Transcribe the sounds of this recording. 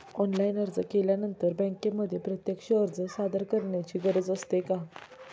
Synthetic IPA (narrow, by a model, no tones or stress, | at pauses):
ɔnlainəɾd͡zəkeljanənt̪əɾbə̃ŋkeməd̪ʱːjepɾət̪jəkʂəːɾd͡zəsad̪əɾkəɾɳjat͡ɕiːɡəɾəd͡zəst̪eka